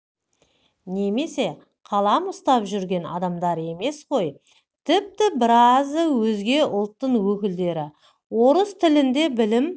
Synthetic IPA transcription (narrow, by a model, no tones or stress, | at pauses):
ne̞me̞se̞ | qʰɑlˠɑmʊst̪ɑpʒʏɾɡʲe̞nɑ̰d̪ɑmd̪ɑɾe̞me̞sqʰo̞j | t̪ʰɪp̚t̪ɪbɪɾɑzəwɵzɡʲe̞ʊlˠt̪ːəɴwɵkʲɪld̪e̞ɾɪ | wo̞ɾəst̪ʰɪlɪnd̪e̞bɪlɪm